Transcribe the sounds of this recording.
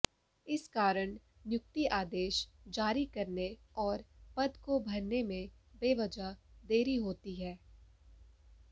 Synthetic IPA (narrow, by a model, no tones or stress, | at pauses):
ɪskaːɾəɽ̃ | njʊk̚t̪iʔaːd̪eːʃd͡ʒaːɾikɐɾne | ɔːɾpɐd̪kobʱɐɾnemẽ | beːʋɐd͡ʒad̪eːɾiɦoːt̪iɦɛː